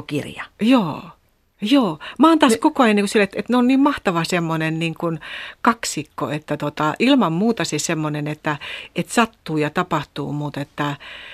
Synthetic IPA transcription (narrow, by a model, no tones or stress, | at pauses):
kḭrjɑ̰joː | joːmɑːnt̪ɑskokoɑjɑnːiŋkusilet̪et̪neonniːmmɑht̪ɑʋɑsemːonenniːŋkunkɑksikːo̰et̪ːæt̪ot̪ɑʔilmɑmmuːt̪ɑsisemːonenet̪ːæet̪sɑt̪ːuːjɑt̪ɑpɑht̪ṵːmut̪et̪ːæ